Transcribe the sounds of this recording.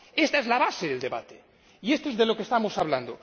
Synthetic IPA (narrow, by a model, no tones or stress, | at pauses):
est̪aezlaβaseðe̞ld̪e̞βa̰t̪e | iest̪oe̞zðe̞lo̞kest̪amo̞saβland̪o